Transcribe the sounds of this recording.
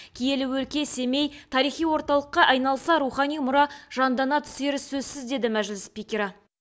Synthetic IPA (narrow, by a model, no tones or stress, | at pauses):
kʲʰije̞lɪwɵlkʲe̞se̞me̞jt̪ʰɑɾijχijwo̞ɾt̪ɑlˠəqːɑʔɑjnɑlˠsɑɾuχɑnijmʊɾɑʒ̥ɑnd̪ɑnɑt̪ʰʏ̥se̞ɾɪsɵzsɪzd̪e̞d̪ɪmæʒɪlɪspʲikʲeɾɑ